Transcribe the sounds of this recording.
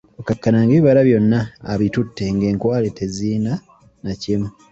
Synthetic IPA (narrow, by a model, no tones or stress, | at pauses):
okakːanaŋɡeiβaɾaβjo̞nːa̰ːβitutːe̞ŋɡe̞ːŋkwaːlete̞ziːna | nacimu